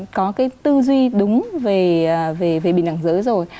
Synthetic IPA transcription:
kɔ˨˦kaː˨˦jt̪ɨ˧zwi˧ɗʊ˨˦ŋ͡mve˨˩˨ve˨˩ve˨˩ɓi˨˩˨nʔa˧˩ŋzəː˨˦jzo˨˩j

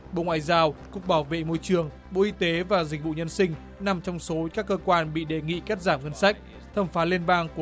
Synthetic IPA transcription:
ɓo̰˧˨ŋwa̰ː˧˨jzaː˧wkʊ˨˩k͡p̚ɓaː˧˩wvḛ˧˨mo˧jt͡ɕɨ˨˩əŋ | ɓo̰˧˨ʔi˧t̪e˨˦vaː˨˩zk̟̚vṵ˧˨ɲə˧nsï˧ŋ̟ | na˨˩mt͡ɕɔ˧wŋ͡mso˨˦kaː˦˥kːəː˧kwaː˧nɓḭ˧˨ɗe˨˩ŋḭ˧˨ka˦˥t̚zaː˧˩mŋə˧nsa˦˥jk̟̚ | t̪ʰə˨˧˩mfaː˨˦li˧ənɓaː˧ŋku˧˩

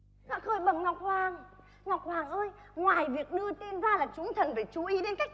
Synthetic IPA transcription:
nɔ̰˧˥xəː˧˩jɓə˨˩ŋŋɔ˨˩wk͡p̚kwaː˨˩ŋ | ŋɔ˨˩k͡p̚kwaː˨˩ŋʔəː˧jŋwaː˨˩jvi˨˩ək̚ɗɨ˧ət̪i˧nzaː˧laː˨˩t͡ɕʊ˨˦ŋ͡mt̪ʰə˨˩nfa˧˩t͡ɕu˨˦ʔi˨˦ɗe˧nka˦˥k̚

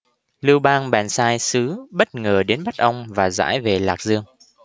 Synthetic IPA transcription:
li˧wɓaː˧ŋɓɛ̰ː˧˩nsaː˧jsɨ˨˦ɓə˦˥t̚ŋəː˨˩ɗe˨˦nɓa˦˥t̚ʔə˧wŋ͡mvaː˨˩za̰ː˧˥jve˨˩laː˨˩k̚zɨ˧əŋ

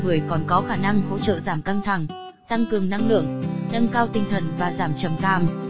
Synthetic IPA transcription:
ɨ˧˩əjkɔ˨˩nkɔ˨˦xaː˧˩na˧ŋho̰˧˥t͡ɕə̰ː˧˨zaː˧˩mka˧ŋt̪ʰa˧˩ŋ | t̪a˧ŋkɨ˨˩əŋna˧ŋlɨ̰˧˨əŋnə˧nkaː˧wt̪ï˧ŋt̪ʰə˨˩nvaː˨˩zaː˧˩mt͡ɕə˨˩mkaː˨˩m

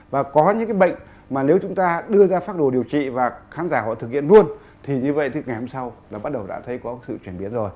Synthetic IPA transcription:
vaː˨˩kɔ˨˦ɲɨ̰˧˥ŋkaː˨˦jɓə̰˧˨jŋ̟ | maː˨˩ne˨˦wt͡ɕʊ˨˦ŋ͡mt̪aː˧ɗɨ˧əzaː˧faː˦˥t̚ɗo˧˩ɗi˨˩əwt͡ɕḭ˧˨vaː˨˩xaː˨˦nzaː˧˩hɔ̰˧˨t̪ɨ˨˩k̚hḭ˧˨ənlu˧ən | t̪ʰi˨˩ɲɨ˧və̰˧˨jt̪ʰɨ˨˦ŋa˨˩jho˧mŋ͡msa˧wlaː˨˩ɓa˦˥t̚ɗə˨˩wɗa̰ː˧˥t̪ʰə˨˦jkɔ˨˦sɨ̰˧˨t͡ɕwi˧˩əmɓi˨˦ənzo˨˩j

